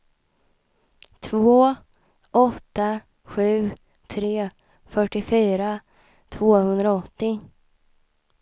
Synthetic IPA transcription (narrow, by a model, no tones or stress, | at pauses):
t̪ʰvoː | ʔɔt̪ːa | ɧʉ̟ː | t̪ʰɾeː | fœʈːɪfyːɾa | t̪ʰvoːhɵnd̪ɾaɔt̪ːɪ